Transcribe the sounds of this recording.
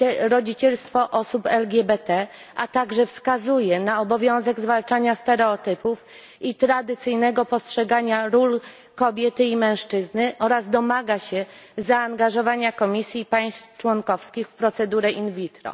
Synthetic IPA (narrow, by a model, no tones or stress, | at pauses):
ɛɾɔd͡ʑit͡ɕɛlst̪fɔʔɔsupɛlɡʲɛbɛt̪ɛ | ʔat̪aɡʐɛfskazujɛnaɔbɔvʲjɔ̃w̃zɛɡzvalt͡ʂaɲast̪ɛɾɛɔt̪ɘpuf | it̪ɾad̪ɘt̪sɘjnɛɡɔpɔstʂɛɡaɲaɾul | kɔbʲjɛt̪ɘimɛ̃w̃ʂt͡ʂɘznɘʔɔɾazd̪ɔmaɡaɕɛzaːŋɡaʐɔvaɲakɔmʲisʲjipaj̃st̪ft͡ʂwɔŋkɔfskʲixfpɾɔt̪sɛd̪uɾɛʔinvʲit̪ɾɔ̰